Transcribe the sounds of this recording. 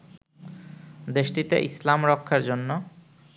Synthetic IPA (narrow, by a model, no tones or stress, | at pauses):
d̪eʃʈit̪ḛʔislamɾɔkʰːaɾd͡ʑonːo